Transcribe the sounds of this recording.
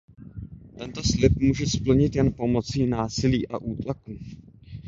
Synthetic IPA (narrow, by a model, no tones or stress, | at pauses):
t̪ɛnt̪o̞slɪp̚muːʒɛspl̩ɲɪt̪jɛnpo̞mo̞t͡siːnaːsɪliːʔa̰ʔuːt̪lakuː